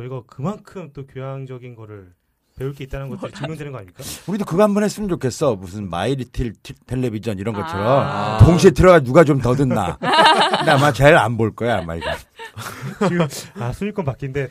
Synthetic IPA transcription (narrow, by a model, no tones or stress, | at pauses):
kɯiɡakɯmankʰɯmt͈okjojaŋd͡ʑʌɡinɡʌɾɯɭ | pe̞uɭk͈eit͈annŋɡʌt͡ɕɯmjundwenɯnɡʌaɲimɲik͈auɾidokɯɡaambunɦes͈ɯmɯnd͡ʑokʰe̞s͈ʰʌmusʰɯnma̰iɾitʰiɭtʰtʰe̞ɭːe̞bid͡ʑʰʌniɾʌnɡʌt͡ɕʰʌɾʌmtoŋɕ̬ʰietʰɯɾʌɡad͡ʑinuɡat͡ɕomtʌdɯnːa̰ɯndeamat͡ɕeɾa̰nboɭk͈ʌjaama̰iɡa | asʰuɲik͈ɯmpak͈inde̞